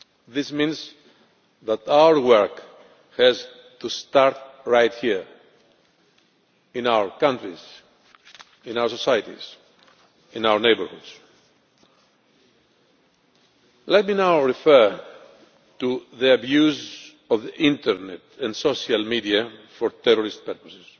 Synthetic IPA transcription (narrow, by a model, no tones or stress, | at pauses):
ðɪsmĩns | ðæt̪awə˞wɜɹk | hɛz | t̪ust̪aɾt̪̚ɹajt̪hiɹ | ɪ̃nawə˞kãntɹiz̥ | ɪ̃nawə˞sosajtḭz | ɪ̃nawəɹnejbəɹhṵds | lɛt̪̚minawɹifɛɹ | t̪uðiabjuz | ɔvðiʔɪ̃nt̪əɾnɛt̪ɛ̃nsoʃalmidiafɔɾt̪ɛɾɔɾist̪̚pɛɾpɔsɪs